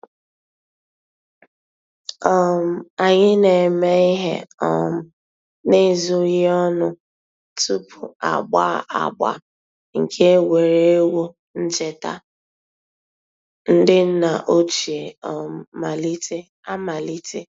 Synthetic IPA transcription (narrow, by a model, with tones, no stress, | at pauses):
ɔ˦˨m̩˨a˨ɲɪ˦ne˨me˦i˦ɦḛ˦ɔ̰˨m̩˨ | ne˦˨zu˦ɣɪ˦ɔ˦nʊ˦ | tu˦pʰṵ˨a̰˨ɡ͡ba˦˨a̰˨ɡ͡ba̰˨ | ŋ̩˨kʰe˦we˨ɾe˦e˦wo˦ | n̩˦t͡ʃe˨ta̰˦ | n̩˦dɪ˦n̩˦na˨ʔo˦t͡ʃi˨e˨m˨ma˨li˦tʰe˦ | a˦ma˨li˦te˦